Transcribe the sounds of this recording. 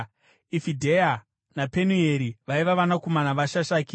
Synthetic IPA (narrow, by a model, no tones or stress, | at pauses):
ifidʱeja | napenueɾiʋaiʋaʋanakomanaʋaʃaʃaːki